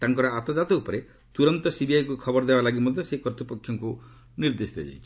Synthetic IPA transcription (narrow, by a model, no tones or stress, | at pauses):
t̪aŋkɔɾɔat̪ɔd͡ʒat̪ɔupɔɾe | t̪uɾɔnt̪ɔsibiajkukʰɔbɔɾd̪ebalaɡimɔd̪ʱjɔsekɔɾt̪ipɔkʰjɔŋku | niɾd̪esit̪ʰa̰d͡ʒa̰jt͡ʃʰi̥